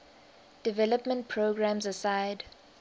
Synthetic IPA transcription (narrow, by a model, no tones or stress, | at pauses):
d̥ivɛləpmə̃nt̚pʰɹoɡɹãmzəsaɪd